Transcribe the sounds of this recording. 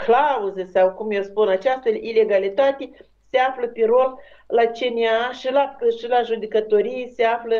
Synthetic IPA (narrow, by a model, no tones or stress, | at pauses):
klauzəsawkumjewspunat͡ʃast̪aile̞ɡalit̪at̪ʲe | seafləpeɾo̞llat͡ʃenʲeaʃilaʃilaʒud̪ʲekət̪o̞ɾijseaflə